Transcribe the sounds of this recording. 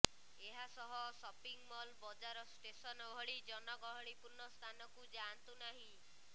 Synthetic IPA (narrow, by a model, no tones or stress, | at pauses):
eɦasɔɦɔsɔpiŋmɔlbɔd͡ʒaɾɔsʈesɔnɔbʱɔɭid͡ʒɔnɔɡɔɦɔɽipuɾnːɔst̪ʰanɔkud͡ʒant̪unaɦĩ